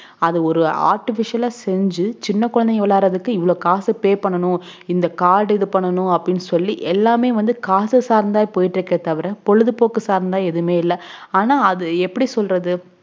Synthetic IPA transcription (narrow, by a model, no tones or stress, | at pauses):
ɐðɯɔɾɯa̰ːɾʈɪfɪʂɪjɐlaːsɛɲd͡ʒɯt͡ʃɪnːɐkːʊɻɐnd̪ɐjʋɐɭaːɾɐðɯkːɯɪʋːɐɭoːkaːsɯpeːpɐɳːɐɳʊ̃ɪnd̪ɐkaːɽɛðɯpɐɳːɐnʊ̃ɐpːɐɽɪnːɯsɔlːiʔɛlːaːmeːʋɐnd̪ɯkaːsɯsaːɾnd̪aːjpoːjɪʈːɪɾɯkːɪɾɐt̪ɐʋɐɾɛ̃pɔɻɯðɯpoːkːɯsaːɾnd̪aːɛðɯmeːɪlːɐaːnaːɐðɯɛpːɐɽisɔlrɐðɯ